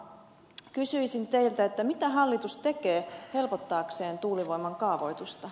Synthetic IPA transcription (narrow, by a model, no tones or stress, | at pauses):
kysyisint̪e̞jlt̪æet̪ːæmit̪æɦɑlːit̪ust̪e̞keːhe̞lpo̞t̪ːɑːkse̞ːnt̪uːliʋo̞jmɑŋkɑːʋojt̪ust̪ɑ